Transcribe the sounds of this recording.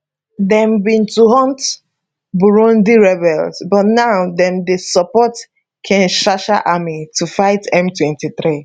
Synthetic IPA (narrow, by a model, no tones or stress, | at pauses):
dɛ̃mbĩntuhɔ̃nt | buɹɔ̃ndiɹɛbɛlsbɔtnaʊdɛ̃mdesɔpɔt | kʰɛ̃nʃaʃaʔamitufaɪtɛ̃mtwɛ̃ntiθɾi